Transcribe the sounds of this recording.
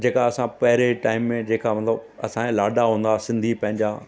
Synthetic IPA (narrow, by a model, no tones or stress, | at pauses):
d͡ʑeːkaɐsãpɐɦɪɾeʈaːɪmːẽd͡ʑeːkamɐt̪ləb | ɐ̰sãlaːɖaɦũːn̆d̪asɪ̃nd̪ʱipɐ̃ɦɪ̃ɲd͡ʑa